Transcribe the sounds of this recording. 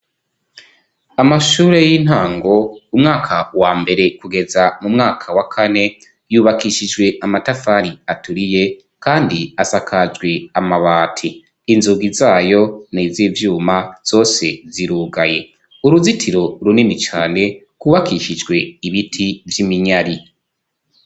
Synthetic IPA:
amaʃuːɾe̞jin̥haːŋɡo̞umŋaːkʰawaːmbe̞ɾe̞kuɡe̞zamumŋaːkʰawakʰane̞ | juːβakiʃid͡ʒɡwe̞ʔamatafaɾiatuɾije̞ | kaːndiasakʰad͡ʒɡwe̞amaβaːtʰiː | nzuɡizaːjo̞nizivjuːmaz̥o̞ːse̞ziɾuːɡaje̞ | uɾuzitʰiɾo̞ɾuninit͡ʃaːne̞ | kuːβakiʃid͡ʒɡwe̞iβitʰivjimiɲaɾi

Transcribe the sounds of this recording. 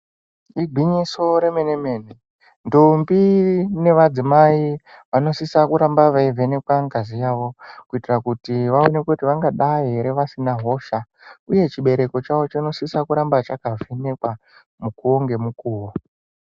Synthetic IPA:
iɡʱiɲiso̞ɾe̞me̞neme̞ːne | ndombine̞ʋad͡zimaiʋano̞sisakuɾambaʋaive̞ne̞kwaŋɡazijaːʋo̞kuitirakutiʋao̞nekutiʋaŋɡaɗaɦeɾe̞ʋasinaɦo̞ːʃa | uje̞t͡ʃiɓe̞ɾe̞ko̞t͡ʃaʋo̞t͡ʃino̞sisakuɾambat͡ʃakavʱe̞ne̞kwa | mukoŋɡe̞mukuːwo

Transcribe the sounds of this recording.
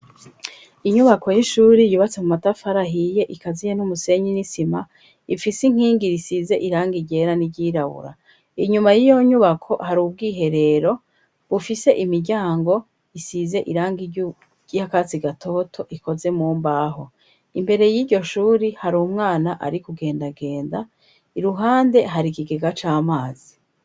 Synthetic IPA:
iɲuβakʰo̞jiʃuːɾijuːβat͡se̞mumatafaɾaɦije̞ʔikazijenumuse̞ɲinisima | ifisiŋ̥hiːŋɡiɾisize̞ʔiɾaːŋɡiɟe̞ɾaniɟiːɾaβṵɾa̰ | iɲumajijo̞ɲuβakʰo̞haɾuːb̚ɡiːɦe̞ɾe̞ɾo̞ | βufise̞ʔimiɾɟaːŋɡo̞ | isize̞ʔiɾaːŋɡiɟu | jakat͡siɡatʰo̞ːtʰo̞ʔiko̞ze̞muːmbaɦo̞ | imbe̞ɾe̞jiːɾɟo̞ʃuːɾihaɾumŋaːnaʔa̰ɾikuɡe̞ːndaɡe̞ːnda | iɾuɦaːnde̞ɦaɾikiɡe̞ɡat͡ʃaːmaːz̥i

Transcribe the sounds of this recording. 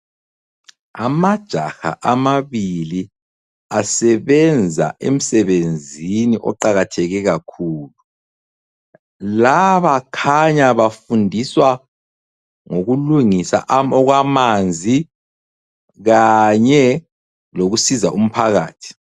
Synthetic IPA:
a̰mad̥ʒ̥ʱaxa̰ʔamaβili | asɛβɛnd͡zʱa̰ḛm̩sɛβend͡zʱiniʔɔ̰ǃaɣatʰɛɣɛɣakʰuːlu | laβakʰaɲaβafundʱiswa | ŋoɣuluŋisa̰ʔɔɣwamand͡zʱi | ɣaɲɛ | loɣusizaʔum̩pʰaɣaːtʰi̥

